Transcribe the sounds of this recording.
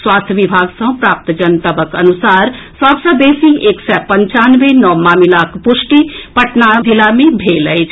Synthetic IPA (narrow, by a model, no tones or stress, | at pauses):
swaːst̪ʰʋɪbʱaːɡsə̃pɾaːp̚t̪d͡ʒənt̪əbəkənʊsaːɾ | saːbsəbeːsieːksɛpə̃ɲt͡ʃaːnʋenɔːmaːmilaːkʰpʊʃʈipɐʈnabʱilamẽbʱeːləed͡ʒ